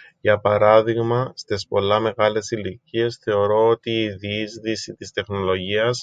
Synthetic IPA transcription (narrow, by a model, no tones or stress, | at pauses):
ʝɐpɐɾɐðiɣmɐst̪espo̞lːɐme̞ɣɐle̞silicie̞sθe̞o̞ɾo̞ot̪iːðizðisit̪ist̪e̞xno̞lo̞ʝiɐs